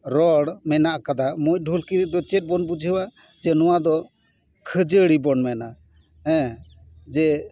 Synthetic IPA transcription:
ɾɔɽmɛnaʔkad̪amujɖʱulkid̪ɔt͡ʃɛt̚bɔnbud͡ʒʱəwa | d͡ʒɛnɔwad̪ɔ | kʰəd͡ʒəɽibɔnmɛnaʔ | ɦɛ̃ | d͡ʒɛ

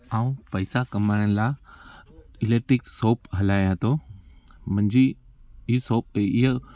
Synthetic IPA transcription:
aːũpəɪsakɐmaːɾəñɪlaː | ɪleːʈɾɪksoːpɦɐlaːjɐt̪o | mɐ̃ɲd͡ʑi | ɪɦsoːp̚ɪɦ

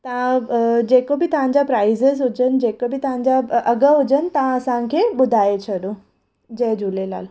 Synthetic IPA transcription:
t̪ɐãd͡ʑeːkobit̪ɐɦãɲd͡ʑapɾaːizəzɦud͡ʑənd͡ʑeːkobʱit̪ɐʋ̤ãɲd͡ʑaɐɡəɦud͡ʑənt̪əãəsãkʰeːɓʊd̪ʱaːet͡ɕʰəɗõ | d͡ʑeːd͡ʑulela̰ːl

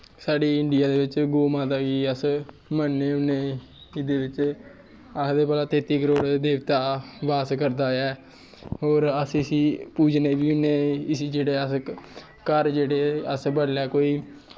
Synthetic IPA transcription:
saːɖiːɪɳɖɪjaːd̪eːʋɪt͡ʃɡoːmãːt̪aːkiːəs | mənːeːʊnːeː | d̪eːʋɪt͡ʃ | asd̪eːpəːlaːt̪eːt̪iːkəɾoːɽd̪eːʋt̪aːbaːskəɾd̪aːɛː | oːɾəsɪsiːpuːd͡ʒneːbiːʊnẽːɪsiːd͡ʒeːɽeːəs | kəɾd͡ʒeːɽeːəsbəɽlaːkoːiː

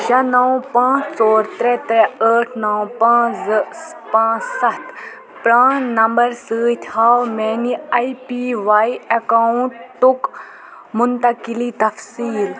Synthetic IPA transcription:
d͡ʒanɐwpãːt͡ʃt͡sɔːɾt̪ɾɛt̪ɾɛəːʈʰnɐwpãːt͡spãːt͡ssɐt̪ | pɾaːnnɐmbɐɾsəːt̪ʰhaːwmeːniɐipiʋaːjɐkauɳʈt̪ːuk | mʊnt̪ɐkilit̪ɐfsiːl

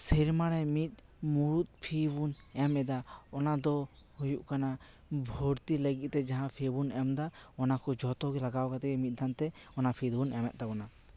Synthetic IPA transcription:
sɛɾmaɽɛmit̪̚ | muɾut̪̚pʰibun | ɛmɛd̪aɔnad̪ɔ | hujuʔkana | bʱoɾt̪iləɡit̪̚t̪ɛd͡ʒaɦãpʰɛbunɛmd̪aɔnakɔd͡ʒɔt̪ɔɡɛlaɡawkat̪ɛkɛmit̪̚ˀd̪ʱant̪ɛɔnapʰid̪bunɛmɛt̪̚d̪aɡɔna

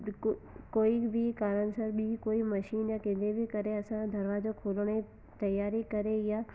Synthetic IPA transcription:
koːibʱikaːɾəɽ̃sɐɾbikoːimɐʃiːnjakẽːnd̪ebʱikɐɾeɐsãd̪ʱɐɾʋad͡ʑokʰoːləɽ̃e | t̪ɐjaːɾikɐɾejaː

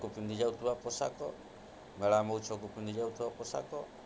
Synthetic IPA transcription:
kupind̪id͡ʒaut̪uapɔsa̰kɔ | melamɔut͡ʃɔk̬upind̪id͡ʒaut̪uapɔsa̰kɔ

